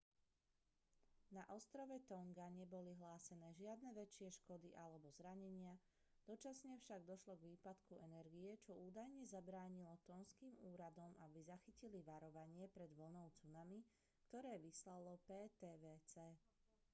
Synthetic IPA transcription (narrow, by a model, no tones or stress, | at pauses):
naʔɔst̪ɾɔʋɛt̪ɔŋɡaɲɛbɔliɦlaːsɛnɛːʒɪad̪nɛʋɛt͡ʃɪɛʃkɔd̪iʔalɛbɔzɾaɲɛɲɪa | d̪̥ɔt͡ʃasɲɛfʃaɡd̪ɔʃlɔɡʋiːpat̪kuʔɛnɛɾɡiɛt͡ʃɔuːd̪ajɲɛzabɾaːɲilɔt̪ɔnskiːmuːɾad̪ɔmabizaxiciliʋaɾɔʋaɲɪɛpɾɛd̪ʋl̩nɔʊt͡sunami | kt̪ɔɾɛːʋislalɔpɛːt̪ɛːʋɛːt͡sɛː